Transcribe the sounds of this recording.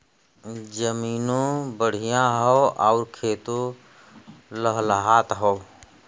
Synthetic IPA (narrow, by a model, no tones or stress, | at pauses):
d͡ʒəmiːnõbəɽ̤ijãɦɔːʔaʊɾkʰeːt̪o | ləɦlɦaːt̪ɦɔː